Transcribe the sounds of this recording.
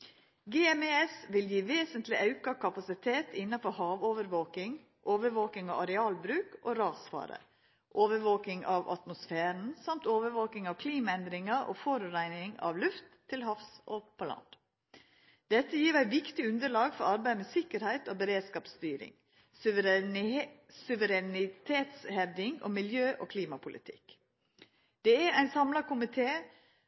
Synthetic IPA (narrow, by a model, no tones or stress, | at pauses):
ɡɛɛmeɛsʋɪljiːʋeːsənt̪lɪʔɑʉkɑkʰɑpɑsɪt̪ʰeːt̪ɪnːɑfɔɾhɑːʋoːʋəɾʋoːkɪŋ | ʔoːʋəɾʋoːkɪŋɑʋɑɾɛɑːlbɾʉːkʔoːɾɑːsfɑ̰ːɾə̰ | ʔoːʋəɾʋoːkɪŋɑʋʔɑ̰t̪mʊsfeːɾən̩sɑmt̪oːʋəɾʋoːkɪŋɑʋkʰliːmɑɛnd̪ɾɪŋɑʔo̰ːfoɾʉɾæɪnɪŋɑ̰ʋlʉft̪ʰːɪlhɑfsʔopʰɔlɑ̰nd̪̥ | d̪̥ɛt̪ːəjiːɾæɪʋɪkt̪ɪʉnd̪əɭɑːɡfɔɾɑɾbæɪmɛsɪkəɾhæɪt̪oːbəɾeːd̪skɑːpst̪yːɾɪ̰ŋ | sʉʋəɾɛnɪt̪ʰeːt̪shɛʋd̪ɪŋo̰ːmɪljøːʔoːkʰliːmɑpʰʊlʔɪ̰t̪ʰɪ̰k | d̪̥ɛæɾæɪnsɑmlɑkʊmɪt̪ʰeː